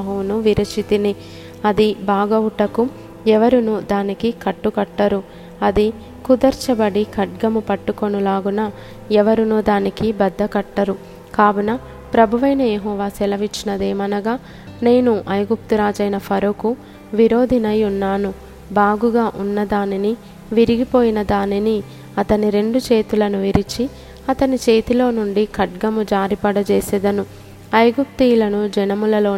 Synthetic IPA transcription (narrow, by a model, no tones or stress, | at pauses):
ɦuːnuʋiɾɐt͡ʃit̪ini | ɐd̪ibaːɡɐuʈɐku | ɛʋɐɾunud̪aːnikikɐʈːukɐʈːɐɾu | ɐd̪i | kud̪ɐɾt͡ʃɐbɐɽikɐʈ̚ɡɐmupɐʈːukonulaːɡunɐ | ɛʋɐɾunud̪aːnikibɐd̪ːɐkɐʈːɐɾu | kaːbɐnɐ | pɾɐbʱuʋɐjnɐjeɦɔːʋaːsɛlɐʋit͡ʃːinɐd̪eːmɐnɐɡaː | ne̞ːnuʔɐjɡup̚t̪uɾaːd͡ʒɐjnɐpʰɐɾoku | ʋiɾo̞ːd̪ʱinɐjunːaːnu | baːɡuɡaːʔunːɐd̪aːnini | ʋiɾiɡipo̞ːjinɐd̪aːnini | ɐt̪ɐniɾe̞ɳɖut͡ʃe̞ːt̪ulɐnuʋiɾit͡ʃi | ɐt̪ɐnit͡ʃe̞ːt̪ilo̞ːnuɳɖikʰɐʈɡɐmud͡ʒaːɾipɐɽɐt͡ʃeːsɛd̪ɐnu | ɐjɡup̚t̪ilɐnud͡ʒɛnɐmulɐlo̞ː